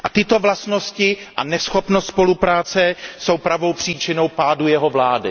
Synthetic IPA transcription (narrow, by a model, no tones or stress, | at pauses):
ʔat̪ɪt̪o̞vlast̪noscɪʔa̰nɛsxopnost̪spo̞lupɾaːt͡sɛso̞wpɾavo̞wpr̝̥iːt͡ʃɪno̞wpaːdujɛɦovlaːdɪ